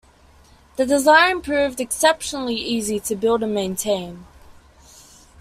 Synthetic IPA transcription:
ðədɪzãɪ̃npʰɹ̥ʉːvdɨksɛpʃənəl̩iʔiːzitʰəbɪlˠdəmẽɪ̃ntʰẽɪ̃n

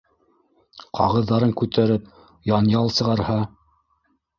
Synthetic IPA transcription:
qʰɑ̰ʁɤ̆ðːɑɾɤŋkʉt̪æɾɘp̚ | jɑnjɑlˠsɤ̆ʁɑɾhɑ

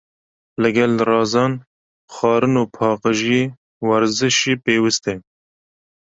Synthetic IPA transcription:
lɨɡɛlrɑːzɑːn | xɑːɾɨnoːpʰɑːqɨʒije | wɛɾzɨʃiːpeːwɨst̪ɛ

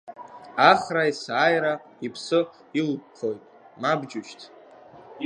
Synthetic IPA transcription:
aχraisaːjɾa | ipʰsɨ | ilpχʰojtʼ | mabd͡ʒʊʃtʰ

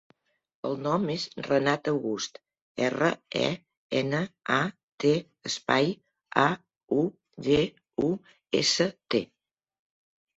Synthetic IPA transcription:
əlˠnɔmezrənat̪əwɣust̪ | ɛrəɛ̰ | ɛnəa | t̪e | əspaj | a | u | ʒe | u | ḛsət̪ḛ

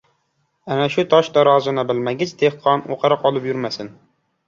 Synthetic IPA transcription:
ɛnɛʃut̪ʰɑʃd̪ɑɾɑːzɨnɨbɪlmɛɡʲɪt͡ʃʰd̪̥ʰeχqʰɑno̰qʰɑɾɨqɑlˠɨpjyɾmɛsɪn

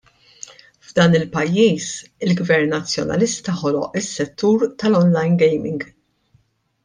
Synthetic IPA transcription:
vd̪ɐːnɪlpɐjːiːsɪlɡvɛɾnːɐt͡sːjɔ̰nɐ̰lɪst̪ɐħɔlɔ̰ʔɪsːɛt̪ːuːɾt̪ɐlɔnlɐjnɡɛjmɪŋɡ

